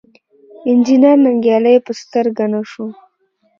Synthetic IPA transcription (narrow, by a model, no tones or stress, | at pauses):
ɪnd͡ʒinɑɾnaŋɡjɑləjpəst̪əɾɡanaʂo